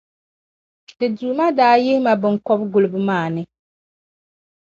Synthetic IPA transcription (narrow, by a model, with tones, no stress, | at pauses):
dɨ˨duː˨˦ma˦daː˦jɪ˦hɪ˦ma˨bɨ˨ŋkɔ˦bɡʊ˨lɨ˨bɨ˦maː˦˨nɨ˦